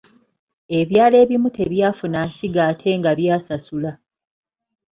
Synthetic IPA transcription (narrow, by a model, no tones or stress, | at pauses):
e̞βjaːle̞ːβimutʰe̞βjaːfunaːsiɡaːtʰe̞ːŋɡaβjaːsasula